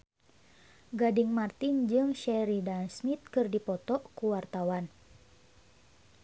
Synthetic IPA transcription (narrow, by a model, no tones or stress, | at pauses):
ɡadiŋmart̪ind͡ʒɨŋʃɛɾidansmit̪̚kɨrdipɔt̪ɔʔkuwart̪awan